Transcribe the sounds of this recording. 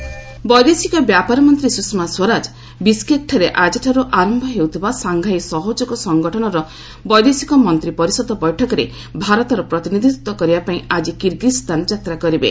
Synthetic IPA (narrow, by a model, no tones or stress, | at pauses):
bɔjd̪isikɔbjapaɾɔmɔnt̪ɾisusmaswɔɾad͡ʒ | biskek̚ʈʰɔɾeʔad͡ʒʈʰaɾuʔaɾɔmbʱɔɦewt̪ʰibasaŋɡʱajsɔɦod͡ʒɔɡɔsɔŋɡɔʈʰɔnɔɾɔ | bɔjd̪isikɔmɔnt̪ɾipɔɾisɔd̪ɔbɔjʈʰɔkɔɾe | bʱaɾɔt̪ɔɾɔpɾɔt̪inid̪ʱit̪wɔkɔɾibapaĩad͡ʒikiɾɡist̪and͡ʒat̪ɾakɔɾibḛ